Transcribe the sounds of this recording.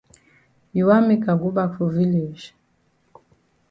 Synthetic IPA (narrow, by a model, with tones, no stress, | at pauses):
ji˨wa˦mi˦ka˨ɡu˦ba˦fu˨vi˦le˨ʒ